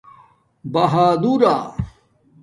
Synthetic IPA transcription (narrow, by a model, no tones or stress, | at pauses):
bɐɦaːd̪uɾa